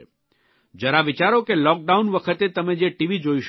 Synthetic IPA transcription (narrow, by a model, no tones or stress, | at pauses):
d͡ʒəɾaʋit͡ʃaɾokelɔk̚ɖaunʋəkʰət̪et̪əmed͡ʒeʈiʋid͡ʒoiʃ